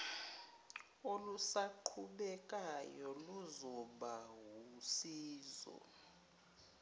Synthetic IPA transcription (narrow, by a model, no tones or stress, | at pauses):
olusaǃʰuɓɛk̬ʼajɔluzɔɓaɦusiːzɔ̰